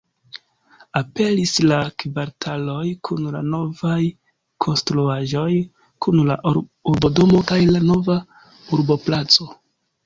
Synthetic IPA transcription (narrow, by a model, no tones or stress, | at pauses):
ape̞lislakvaɾtʰalo̞jkʰunla̰no̞vaj | kʰo̞nstɾuaʒo̞j | kunlaɾuɾbo̞do̞mo̞kajlano̞va | uɾbo̞plat͡so̞